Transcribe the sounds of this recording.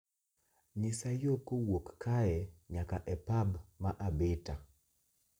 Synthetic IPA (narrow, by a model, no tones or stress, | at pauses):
ɲɪsajokowokːʰajɛɲakaʔɛpabmaʔabɪta